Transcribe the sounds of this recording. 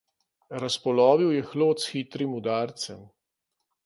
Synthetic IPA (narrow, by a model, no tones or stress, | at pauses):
ɾaspɔlɔːʋiwjɛxloːt̪sxit̪ɾimud̪aːɾt̪sɛm